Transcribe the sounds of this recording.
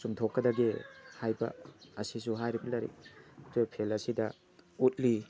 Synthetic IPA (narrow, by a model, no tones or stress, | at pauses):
sumtʰokːɐdɐɡehajbɐ̰ɐsisuɦajɾibɐlɐɾḭtʰojpʰelɐsidɐ | ut̚li